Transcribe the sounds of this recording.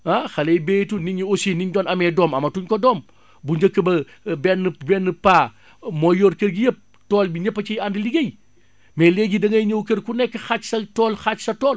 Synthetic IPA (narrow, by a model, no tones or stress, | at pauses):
axɐlejbeːjtuniɲiosiːniɲdɔːnɐmɛdɔːmɐmɐtuɲkɔdɔːm | buɲd͡ʒəkːəbɐ | bɛnːbɛnːəpaː | mɔjɔːɾkəɾɡijəp̚ | tɔːlbiɲɐpːɐt͡ʃijandiliɡɐj | mɛlɛɡidɐŋɐjɲəwkəɾkunɛkːəxat͡ʃsɐtɔːlxat͡ʃsɐtɔːl